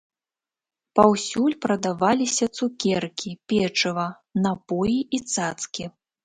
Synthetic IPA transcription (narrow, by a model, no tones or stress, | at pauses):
pawsʲulʲpɾɐd̪avalʲisʲɐt̪sukʲɛrkʲʰipʲɛt͡ʂɐvɐ | napɔjiʔit̪sat̪skʲi